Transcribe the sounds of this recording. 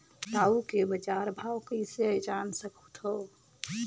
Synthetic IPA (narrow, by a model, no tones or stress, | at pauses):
d̪aːukebəd͡ʒaːɾbʱaːwkəiseəd͡ʒaːnsəkʰut̪ʰo